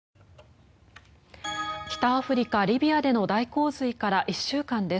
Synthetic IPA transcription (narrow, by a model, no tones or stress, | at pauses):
kʲi̥t̪aːɸɯ̟ɾʲikaɾʲibʲiad̪e̞no̞d̪aiko̞ːzɨikaɾaʔiɕːɨːkãnd̪e̞s